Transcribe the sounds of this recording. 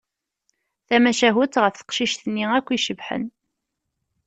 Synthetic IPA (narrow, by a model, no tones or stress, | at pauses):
θæmæʃæɦʊt̪ʁəfθə̥qʃiʃθənːiækʷːiʃəvħə̰n